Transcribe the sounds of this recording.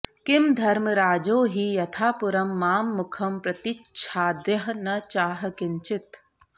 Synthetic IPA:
kɪmd̪ʱɐɾmɾaːd͡ʒoːɦijɐt̪ʰaːpʊɾɐmːaːmːʊkʰɐmpɾɐt̪iʃʰaːd̪jɐɦnɐt͡ʃaːɦɐkɪnt͡ʃɪt̪

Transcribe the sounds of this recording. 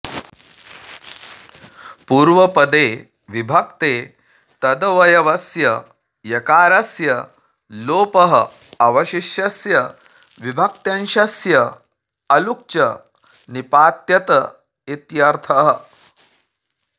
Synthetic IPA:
puːɾʋɐpɐd̪eː | ʋibʱɐk̚t̪eː | t̪ɐd̪ɐʋɐjɐʋɐsjɐ | jɐkaːɾɐsjɐ | loːpɐɦə̰ | ɐʋɐɕiʃjɐsjɐ | ʋibʱɐk̚t̪jɐnʃɐsjɐ | ɐluk̚t͡ʃɐ | nipaːt̪jɐt̪ə | it̪jɐɾt̪ʰɐɦə̆

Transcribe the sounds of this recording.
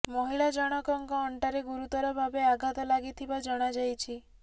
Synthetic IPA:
mɔɦiɭad͡ʒɔɽ̃ɔkɔŋkɔːɳʈaɾeɡuɾut̪ɔɾɔbʱabeaɡʱat̪ɔlaɡit̪ʰibad͡ʒɔɽ̃ad͡ʒajt͡ʃʰi

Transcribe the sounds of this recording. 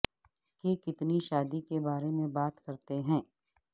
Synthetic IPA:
kekɪt̪niʃaːd̪ikebaːɾemẽbaːt̪kɐɾt̪eɦɛ̃ː

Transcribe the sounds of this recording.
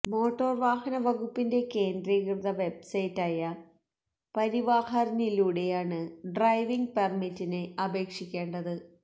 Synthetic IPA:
mo̞ːʈːo̞ːrʋaːhɐnɐʋɐɣupːinde̞ke̞ːndɾiɐkrðɐʋe̞bsɐjtːaːjɐ | pɐɾiʋaːhɐrɐniluːɽe̞jaːɳɨɖrɐjʋiŋɡpermitːineɐbe̞ːkʂikʲːe̞ːɳɖɐðɨ

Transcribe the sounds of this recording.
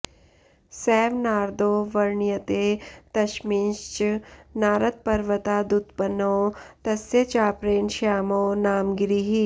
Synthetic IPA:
sɛːʋnaːɾd̪oːʋɐɾɳjɐt̪eːt̪ɐʃminʃt͡ʃnaːɾɐt̪̚pɐɾʋɐt̪aːd̪ut̪pɐnoːt̪ɐsjɐt͡ʃaːpɾeːnʃaːmoːnaːmɡɾiɦi

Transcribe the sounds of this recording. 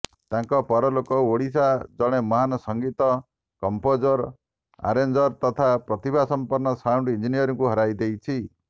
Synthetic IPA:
t̪aŋkɔpɔɾɔlokɔoɽisad͡ʒɔɽ̃emɔɦanɔsɔŋɡit̪ɔ | kɔmpod͡ʒɔɾ | a̰ɾend͡ʒɔɾt̪ɔt̪ʰapɾɔt̪ibʱasɔmpɔɾnɔsawɳɖind͡ʒinijɔɾɔ̃ŋkuɦɔɾajd̪ejt͡ʃʰi

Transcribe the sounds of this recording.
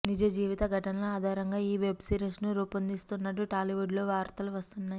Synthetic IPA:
nid͡ʒɐd͡ʒiːʋit̪ɐɡʱɐʈɐnɐloaːd̪ʱaːɾɐŋɡaːiːʋe̞bsiːɾensnuɾuːpɐnd̪ist̪unːɐʈːuʈaːliʋuɖlo̞ːʋaːɾt̪ɐluʋɐst̪unːaːji

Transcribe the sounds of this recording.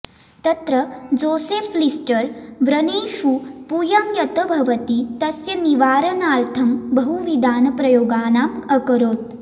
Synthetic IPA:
t̪ɐt̪ɾɐd͡zoːseːflisʈɐɾʋɾɐneːʃupujɐmjɐt̪ɐbʱɐʋɐt̪it̪ɐsjɐniʋaːɾɐnaːɾt̪ʰɐmbɐɦuʋid̪ʱaːnɐpɾɐjoːɡaːnaːmɐkəɾoːt̪̚

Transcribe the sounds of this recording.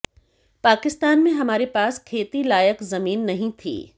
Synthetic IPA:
paːkɪst̪aːnmẽɦɐmaːɾepaːskʰeːt̪ilaːjəkzɐmiːnːɐɦĩt̪ʰḭː

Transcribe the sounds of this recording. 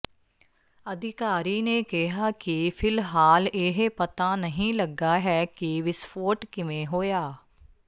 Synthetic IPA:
əd̪ʱɪkaːɾiːneːkɪɦaːkɪpʰɪlɦaːlɪɦpət̪aːnəɦĩːləɡaːɦɛːkɪʋɪspʰoːʈkɪʋẽːɦoːjaː

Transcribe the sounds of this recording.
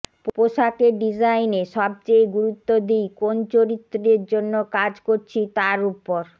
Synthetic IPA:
ppoʃakeɖid͡ʑajneʃɔb̚t͡ɕejɡuɾut̪ːod̪ijkont͡ɕoɾit̪ːɾeɾd͡ʑonːokad͡ʑkoɾt͡ɕʰit̪aɾupːoɾ

